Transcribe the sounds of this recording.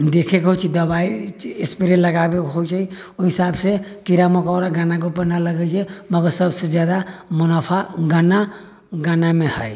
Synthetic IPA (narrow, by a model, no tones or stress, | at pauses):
d̪ekʰekɦojt͡ʃʰid̪əbaiespiɾenləɡabekɦojt͡ʃʰi | oɦisabsekiɾamɔkɔːɾaɡanak̬opəɾnaləɡɛt͡ʃʰɛməɡəɾsəbsed͡ʒjad̪amunapʰaɡana | ɡanamẽhəj